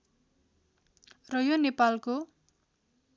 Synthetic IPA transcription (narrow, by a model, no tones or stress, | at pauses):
rʌjonepalko